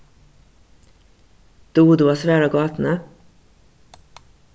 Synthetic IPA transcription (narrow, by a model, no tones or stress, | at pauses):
d̪̥uːd̪ʉːɑːsʋæːɾɑːɡɑːt̪n̩ə